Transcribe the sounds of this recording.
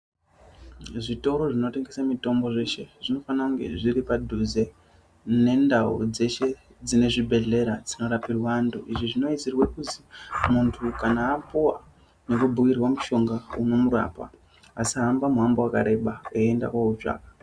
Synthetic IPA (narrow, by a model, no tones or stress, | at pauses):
ʐito̞ɾo̞ʐino̞te̞ŋɡe̞samito̞mbo̞ʐe̞ʃe̞ʐino̞fanauŋɡe̞̰ʐiɾipadʱuze̞ | ne̞ndaṵd͡ze̞ʃe̞ | d͡zine̞ʐibʱe̞ɮe̞ɾad͡zino̞ɾapirwanduʔiʐiʐino̞it͡sirwakutimuntʰukanaːpuwa | ne̞kubʱuwirwamuʃo̞ŋɡauno̞muɾa̰ːpa̰ | asiɦambamuɦambowakaɾe̞ɓaeenda̰kwaut͡ʃa̰ːka